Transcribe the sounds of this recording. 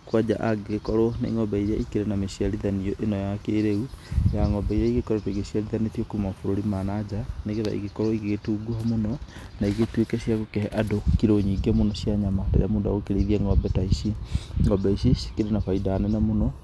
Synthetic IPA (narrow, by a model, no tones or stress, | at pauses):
kwad͡ʑa̰ʔaɡɣekɔɾoneŋɔbɛiɾaʔikeɾenameɕiaɾiðaniɔʔenɔjɔakeɾeujaŋɔbɛiɾaiɣekɔɾoteɣeɕiaɾiðanetjɔkomɔfoɾoɾimanad͡ʑaneɣeða̰ḭɣekɔɾɔiɣeɣetuːɡuhamonɔ | naiɣetwokɛɕiaɣokɛhɛʔadokiɾoɲiːɡɛmonɔɕjaɲamatḛɾḛamoda̰okeɾeðiɛŋɔbɛtaiʃiŋɔbɛiɕeʃi̥keɾenafaidaːnɛnamonɔ